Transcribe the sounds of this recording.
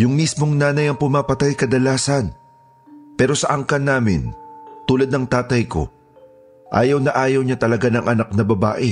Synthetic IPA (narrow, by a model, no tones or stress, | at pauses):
jʊŋmismo̞ŋnaːnɐjɐŋpʊmaːpɐt̪ajkɐd̪ɐlaːsɐn | pɛːɾo̞sɐʔɐŋkɐnːaːmɪ̰nt̪uːlɐd̪̚nɐŋt̪aːt̪ɐjko̞̰ | ʔa̰ːjɐwnɐʔaːjɐwɲat̪ɐlɐɡanɐŋʔɐnak̚nɐbɐba̰ːʔɪ